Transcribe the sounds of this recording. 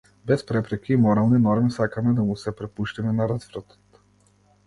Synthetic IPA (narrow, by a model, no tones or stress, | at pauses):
bɛspɾɛpɾɛkiːmɔɾalˠninɔɾmisakamɛd̪amusɛpɾɛpuʃt̪imɛnaɾazvɾɔt̪ɔ̥t̪